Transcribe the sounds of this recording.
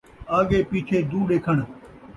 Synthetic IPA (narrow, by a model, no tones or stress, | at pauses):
aːɠeːpiːt͡ʃʰeːd̪uːɗeːkʰəɳ